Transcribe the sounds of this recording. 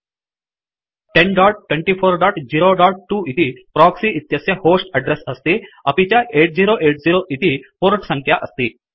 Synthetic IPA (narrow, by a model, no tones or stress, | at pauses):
ʈenɖɔːɖ̚ʈwʋẽɳʈifʰoːɾɖɔːʈd͡ʑiɾoɖɔːɖ̚ʈuːʔit̪ipɾɔːksiʔit̪jɐsjehoːsʈɐɖɾesəst̪iɐpit͡ɕjaeːʈ̚d͡ʑiɾoʔeːʈ̚d͡ziɾoʔit̪ipoɾʈsə̃ŋkʰjaʔəst̪iː